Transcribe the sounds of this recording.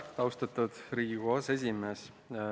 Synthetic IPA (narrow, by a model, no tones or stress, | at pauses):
ɑwst̪ɑt̪ːud̪̥ɾiːɡuɑse̞s̬ʲimes